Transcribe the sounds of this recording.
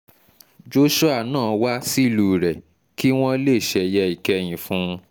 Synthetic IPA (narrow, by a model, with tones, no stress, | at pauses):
d͡ʒo˦ʃo˦a˦˨nãː˦˨wa˦si˦˨lu˨ɾɛ˨ | ki˦w̃ɔ̃˦le˦˨ʃɛ˨jɛ˧i˨kɛ˧j̃ĩ˨fũ˨˦˧